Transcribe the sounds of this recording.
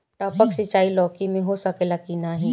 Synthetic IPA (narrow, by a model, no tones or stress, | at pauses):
ʈaːpəksɪt͡ʃaːilɔːkimẽɦosəkelakinaɦi